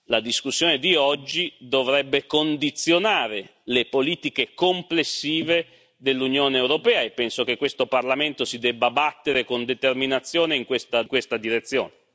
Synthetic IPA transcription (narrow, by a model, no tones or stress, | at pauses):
lad̪iskusːjoːned̪iɔd͡ʒːid̪ovɾɛbːekond̪it̪sːjonaːɾelepoliːt̪ikekomplesːiːve | d̪elːunjoːneːwɾopɛːaepːɛnsok̟ekːwest̪oparlament̪osid̪ɛbːabat̪ːeɾekond̪et̪erminat̪sːjoːneiŋkwest̪akwest̪ad̪iɾet̪sːjo̰ːne